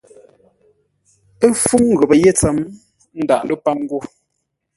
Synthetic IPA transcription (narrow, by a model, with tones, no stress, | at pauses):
e˦fu˦ŋ˨ɣə˨bə˨je˦˨t͡sə˨m | n̩˦da˨ʔlu˦pa˦ŋ̩˦ɡo˦˨